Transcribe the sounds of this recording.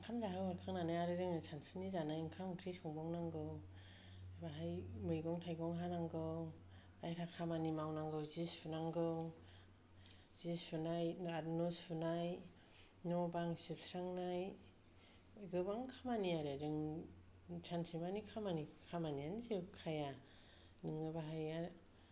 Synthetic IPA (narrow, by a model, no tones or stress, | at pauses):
ŋkʰamzaɦawaɾkʰaŋnanajaɾɯdɯŋsʰanpʰinizanajŋkʰamkʰɾisɔŋbɔŋnaŋɡɯw | baɦajmɯjɡɔŋtʰajɡɔŋɦanaŋɡɯw | ajɾʰakʰamanimawnaŋɡɯwzispʰunaŋɡɯw | z̥ispʰɯnajat̚nɔspʰɯnaj | nɔbaŋsipsɾaŋnaj | ɡɯbaŋkʰamaniaɾɯɾɯŋ | t͡ʃʰansimanikʰamanikʰamanianizikʰaja | nɯŋɯbaɦaja